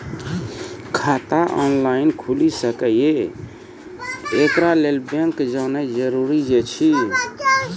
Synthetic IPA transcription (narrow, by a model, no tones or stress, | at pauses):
kʰat̪aʔɔnlainkʰulisəkəje | kɾalelbẽŋkd͡ʒanɛd͡ʒəɾuɾid͡ʒet͡ʃʰi